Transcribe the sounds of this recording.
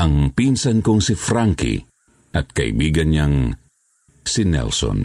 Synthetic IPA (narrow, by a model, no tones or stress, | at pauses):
ʔɐŋpinsɐnkoŋsɪfɾaŋkḭ | ʔɐt̪̚kɐʔɪ̰biːɡɐnɲaŋ | sɪnɛ̰lsɔ̰n